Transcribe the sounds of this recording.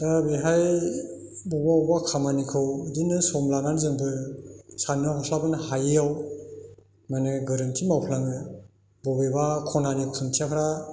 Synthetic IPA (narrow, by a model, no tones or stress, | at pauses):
dabeɦaj | bɔbawbakʰamanikʰɯwdinɯsɔmlaŋanzɯŋbɯsanɯɦɔsʰlabɯnhajaw | manɯɡɯɾɯntʰimawpʰlaŋɯ | bɔbebakʰɔnanipʰuntʰijapʰɾa